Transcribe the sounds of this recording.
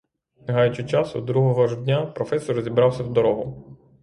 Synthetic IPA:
neɦɑjʊt͡ʃɪt͡ʃɑsʊ̰d̪ɾuɦɔɦɔʒd̪ʲnʲapɾɔfɛsɔɾzʲibɾɑwsʲɐwd̪ɔɾɔɦʊ

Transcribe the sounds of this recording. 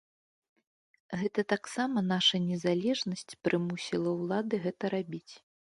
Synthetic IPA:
ɣɛt̪ɐt̪aksamɐnaʂɐnʲɛzalʲɛʐnɐsʲt͡sʲpɾɨmusʲilˠɐwlˠad̪ɨɣɛt̪ɐɾabʲit͡sʲ

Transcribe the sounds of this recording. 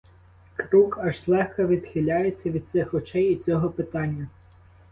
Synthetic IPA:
kɾukɐʒslˠɛxkɐʋʲid̪xʲɪlʲajet͡sʲːɐʋʲid̪̚sɪxɔt͡ʃɛjit͡sʲɔɦɔpɪt̪ɑnʲːɐ

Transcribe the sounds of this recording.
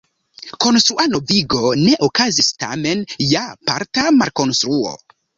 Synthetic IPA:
ko̞nst̪ɾuano̞viɡo̞ne̞ʔokazista̰me̞njapa̰ɾtamaɾko̞nst̪ɾuo̞̰

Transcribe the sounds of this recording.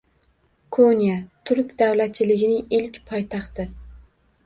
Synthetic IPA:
kʰonijat̪ʰʊɾkʲd̪awlat̪̚t͡ʃʰɪlɪɡʲɪnɪŋɪlkʲpʰɒjt̪ʰɑχt̪ʰɪ

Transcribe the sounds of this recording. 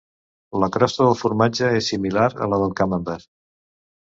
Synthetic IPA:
ləkɾɔst̪əðəlˠfuɾmad͡ʒəesːimilaɾə̰ləðəlˠkaməmbɛɾ

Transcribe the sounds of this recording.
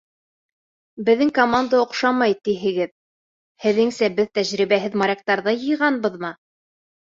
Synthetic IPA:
bɘ̆ðːɘŋkomand̪aŏqʃɑmɑjt̪iɦɘ̆ɡɘð | hɘ̆ðɘŋsæbɘðt̪æʑɾiβæɦɘðmaɾʲɑk̚t̪ɑɾðɑjɤ̆jʁɑnbɤðmɑ

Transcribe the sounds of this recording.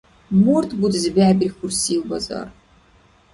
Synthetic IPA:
murt̪ʰbud̪zɨbæːbixʊrsiːwbɐ̰zɐ̰r

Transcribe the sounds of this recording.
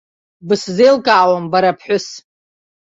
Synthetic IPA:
bɨszejlkʼawambaɾapʰħʷᶣʊs

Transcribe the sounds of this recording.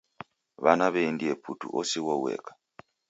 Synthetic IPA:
βanaβendiepʰutṵʔɔsiwɔwɛ̰kḁ

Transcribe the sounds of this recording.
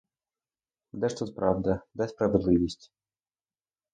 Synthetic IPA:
d̪ɛʂt̪ut̪pɾɑwd̪ɐd̪ɛspɾɐʋed̪lˠɪʋʲisʲtʲ

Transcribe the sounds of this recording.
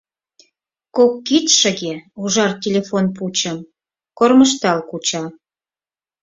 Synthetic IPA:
kokːit̪ʃə̆ɣeuʒɑrtʲelʲefonput͡ɕəm | korməʃt̪ɑlkut͡ɕɑ

